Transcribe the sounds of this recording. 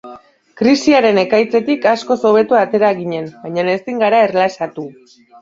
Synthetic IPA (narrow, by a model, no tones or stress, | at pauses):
kɾisiaɾe̞ne̞kajt͡se̞t̪ikasko̞so̞β̞e̞t̪uat̪e̞ɾaɣiɲe̞nbaɲane̞st̪iŋɡaɾae̞rlasat̪u